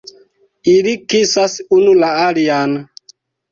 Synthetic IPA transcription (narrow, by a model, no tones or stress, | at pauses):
ilikisasunulaalian